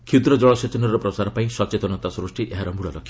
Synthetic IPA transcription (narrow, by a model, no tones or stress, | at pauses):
kʰud̪ɾɔd͡ʒɔɭɔset͡ʃɔnɔɾɔpɾɔsaɾɔpaĩsɔt͡ʃet̪ɔnɔt̪asɾɔsʈiʔeɦaɾɔmuɭɔɾɔkʰi